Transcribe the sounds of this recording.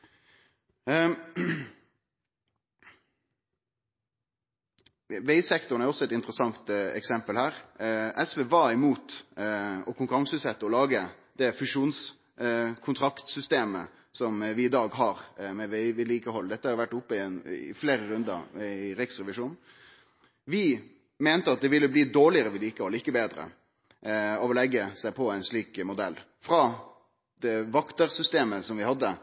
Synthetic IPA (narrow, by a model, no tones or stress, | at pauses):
ʋeɪsɛkt̪ʊɾɳ̩æɾjɔsːɔɛt̪ɪnt̪ɾəsɑŋt̪ɛ̰ksɛmpəlhæːɾʔɛsʋeːʋɑːɪmuːt̪ | ɔkʰʊŋkʉɾɑŋsʉsɛt̪ːəɔlɑːɡə | d̪̥ɛfʉʂuːns | kʰʊnt̪ʰɾɑkt̪sʏst̪eːmə̰ | sɔmʋɪːd̪ɑːɡɦɑɾmɛʋɪʋɪd̪liːkəɦɔlːd̪ɛt̪ːəhɑɾjʊʋæʈːʊpːəɪnɪ̰fleːɾəɾʉnd̪ə̰ɾɪɾɪksɾɛʋɪʂuːn | ʋɪ | mɛːnt̪əɑt̪̚d̪ɛʋɪlːəbliːd̪oːɭɪəɾəʋɪd̪liːkəhɔlːɪkːəbeːd̪ɾə̰ | ɔʋɔlɛɡːəsæɪpʰɔæɪnʂɭiːkmʊd̪ɛlː | fɾɑ | d̪̥ɛʋɑkt̪əɾsʏst̪eːməsɔmʋɪhɑd̪ːə